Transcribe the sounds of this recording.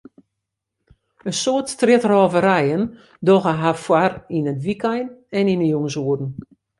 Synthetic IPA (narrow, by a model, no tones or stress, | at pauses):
ənsoətstrɪtrɔːvəɾɛjən | doɣəɦafwarinətʋikɛjnɛninəjuŋəsuədn̩